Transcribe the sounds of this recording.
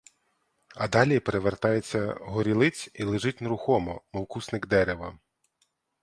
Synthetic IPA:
ɐd̪ɑlʲipeɾeʋert̪ɑjet͡sʲːɐɦɔɾʲilˠɪt͡sʲilˠeʒɪtʲnɾʊxɔmɔ̰mɔwkusnɪɡd̪ɛɾeʋɐ

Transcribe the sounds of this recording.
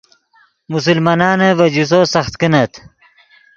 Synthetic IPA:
mus̬ulmaːnɑːnevɐd͡ʑus̬oːsɐxt̪kinɐt̪ʰ

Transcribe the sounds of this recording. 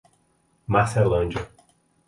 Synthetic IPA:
maselɐ̃nd͡ʒɐ

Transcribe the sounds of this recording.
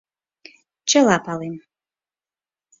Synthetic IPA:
t͡ʃʰɐlapʰalim

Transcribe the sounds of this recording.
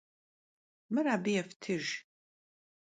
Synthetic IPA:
mɨraːbijɛftʰɨʒ

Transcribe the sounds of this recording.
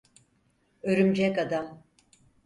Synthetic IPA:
øɾymd͡ʒɛkad̪am

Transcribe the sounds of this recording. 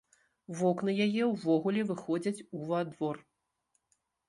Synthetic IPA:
vɔknɨjajɛwvɔɣulʲɛvɨxɔd͡zʲɐt͡sʲuvad̪vɔr

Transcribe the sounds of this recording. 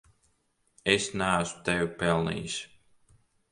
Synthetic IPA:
esnæːsu̥t̪ɛvupɛlˠnḭːjs

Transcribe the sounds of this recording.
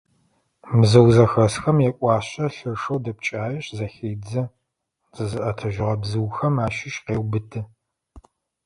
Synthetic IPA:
mzɐwzɐxɐsxɐmjɛkʷʼɑːɕɐɬɨrʂɐwdɐp̚t͡ʃʼaːjɪɕzɐxeːd͡zɐ | zʼɨzɨʔɐtʰɐʒɪʁɐbzɨwxɐmaːʃɪʃqeːwbɨtʰɨ

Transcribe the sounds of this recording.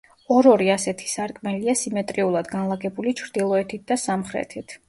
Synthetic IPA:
ɔɾɔɾiasɛt̪ʰi̥saɾkʼmɛliasimɛt̪ʼɾiulˠad̪ɡanlˠaɡɛbulit͡ʃʰɾd̪̥ilˠɔɛt̪ʰit̪̚d̪asamχɾɛ̰t̪ʰit̪ʰ

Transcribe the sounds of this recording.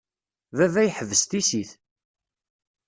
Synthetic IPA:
vævæjħəvəst̪isiθ

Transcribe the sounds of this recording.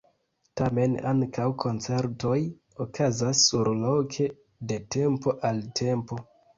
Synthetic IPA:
tame̞na̰ŋkʰawkʰo̞nt͡se̞ɾto̞j | okʰazasːuɾlo̞kʰe̞ | de̞te̞mpo̞ʔaltʰe̞mpo̞

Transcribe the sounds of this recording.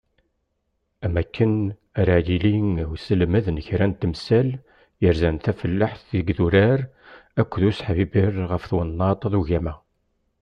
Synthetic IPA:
æmækːən | æɾajiliŋwsəlməðnəçɾænt̪ːmsæl | jəɾzænθæfəlːaħθiɡðuɾæɾ | ækʷːðusħvibirˤʁəfθwənːɑt̪ˤɑðuʝæmæ

